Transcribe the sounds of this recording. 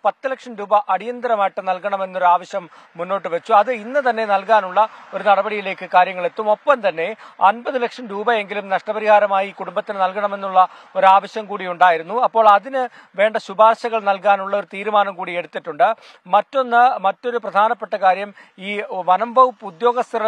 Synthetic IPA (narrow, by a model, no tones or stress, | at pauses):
pɐt̪ːɨlɐkʂɐmɾuːbɐʔɐɽijɐnd̪ɐɾɐmaːjiʈːɨnɐlkɐɳɐme̞nːo̞ɾuaːʋɐɕjɐmː | unːo̞ːʈːɨʋet͡ɕːuɐðɨinːɨt̪ɐnːe̞nɐlkaːnuɭːɐo̞ɾunɐɽɐbɐɽijile̞ːkːɨkaːɾjɐŋːɐɭe̞t̪ːumo̞pːɐmt̪ɐnːe̞ɐnbɐðɨlɐkʂɐmɾuːbɐe̞ŋɡilumnɐʂʈɐbɐɾihaːɾɐmaːjikuɽumbɐt̪ːinɨnɐlkɐɳɐme̞nːuɭːɐ | o̞ɾaːʋɐɕjɐmkuːɽijuɳɖaːjiɾunːuɐpːo̞ːɭɐðinɨ | ʋe̞ːɳɖɐɕubʱaːrɕɐɣɐɭnɐlkaːnuɭːɐo̞ɾut̪iːɾumaːnɐmkuːɽie̞ɽut̪ːiʈːuɳɖɨ | mɐtːo̞nːɨmɐtːo̞ɾuprɐd̪ʱaːnɐpːeʈːɐkaːɾjɐm | iːʋɐnɐmbʱɐʋupːud̪jo̞ːɡɐst̪ɐrɐ